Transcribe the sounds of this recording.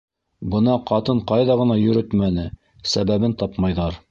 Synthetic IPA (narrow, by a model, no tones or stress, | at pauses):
bɤ̆nɑqɑt̪ɤɴqɑjðɑʁɤ̆nɑjɵ̆ɾɵt̪mænɘ | sæβæβɘnt̪ɑpmɑjðɑɾ